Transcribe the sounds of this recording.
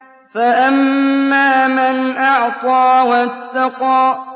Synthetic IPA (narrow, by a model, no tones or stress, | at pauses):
faʔamːaːmanʔaʕt̪ˤɑːwat̪ːaqɑː